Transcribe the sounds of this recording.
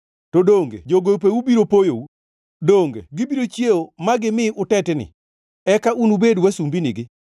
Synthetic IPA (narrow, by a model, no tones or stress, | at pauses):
todoŋɡḛd͡ʒoɡojop̬eubiɾopojou | doŋɡḛɡɪbiɾot͡ʃjeomaɡɪmɪʔʊtɛtɛnɪ̰ | ɛkaʔunubedwasumbiniɡɪ